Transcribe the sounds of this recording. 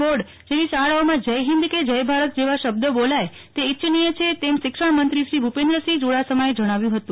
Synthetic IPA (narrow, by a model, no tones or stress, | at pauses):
oɖ | d͡ʒeʋiʃaɭaomãd͡ʒəjɦɪ̃nd̪ked͡ʒəjbʱaɾət̪̚d͡ʒeʋaʃəb̚d̪əbolaj | t̪eitːʃnijət͡ʃʰet̪emʃɪkʂəɳmənt̪ɾiʃɾibʱupẽnd̪ɾəsid͡ʒoɽasəməed͡ʒəɽ̃aʋjũɦət̪ũ